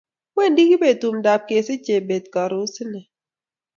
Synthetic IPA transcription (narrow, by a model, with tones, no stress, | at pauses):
wwe˦˨ndi˦ki˦be˨tu˨mda˨p̚ke˨si˦t͡ʃe˨be˨t̚ka˨ɾu˨˦si˦nɛ˨